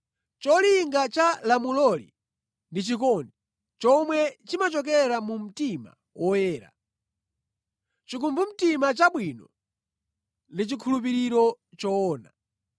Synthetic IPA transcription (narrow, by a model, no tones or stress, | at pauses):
t͡ʃɔliŋɡat͡ʃalamulɔlḭ | ndit͡ʃik̬ɔni | t͡ʃɔmwɛt͡ʃimat͡ʃɔk̬ɛɾamum̩tima̰ | wʔɔjɛːɾa̰ | t͡ʃikumbum̩timat͡ʃaɓwinɔ | lit͡ʃikʰulup̬iɾiɾɔ | t͡ʃɔːna